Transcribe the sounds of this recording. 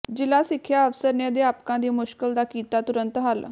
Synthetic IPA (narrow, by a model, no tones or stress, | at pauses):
d͡ʒɪlaːsɪkʰːjaːəʋsəɾned̪eːaːpkãːd̪iːmʊʃkəld̪aːkiːt̪aːt̪ʊɾənt̪ɦəl